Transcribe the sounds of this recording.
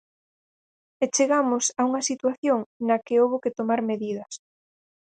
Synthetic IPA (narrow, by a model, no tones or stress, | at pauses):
et͡ʃeɣamʊsɐuŋɐsit̪waθjoŋnɐkɪowβoket̪omaɾmeðiðɐs